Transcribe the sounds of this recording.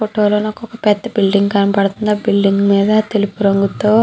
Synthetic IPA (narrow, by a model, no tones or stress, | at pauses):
foʈːoːloːnɐkːɔkɐpɛd̪ːɐbilɖiŋɡkɐnɐpɐɽt̪und̪ɐːbilɖiŋɡmiːd̪ɐt̪e̞lupuɾoŋɡut̪oː